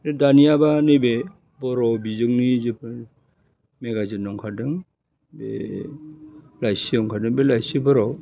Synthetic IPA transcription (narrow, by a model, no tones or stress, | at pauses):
ɾedaniabanebe | bɔɾɔbizɯŋnid͡ʒip | meɡazinːɔŋkʰadɯŋ | bḛ | lajsiɔŋkʰadɯŋbelajsibɔɾɔw